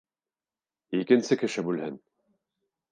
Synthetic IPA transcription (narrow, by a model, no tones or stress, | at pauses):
ikɘ̆nsɘkɘ̆ʃɘbʉlhɘn